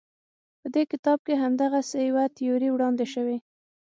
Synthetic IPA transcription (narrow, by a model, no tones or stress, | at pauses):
pəd̪ekɪt̪ɑb̚keɦamd̪aɣasejawat̪ɪjuɾiwɽɑnd̪eʃəwe